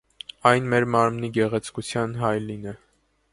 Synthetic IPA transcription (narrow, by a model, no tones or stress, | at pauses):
ɑjnmɛɾmɑɾmniɡɛʁɛt͡sʰkut͡sʰjɑnɦɑjlinɛ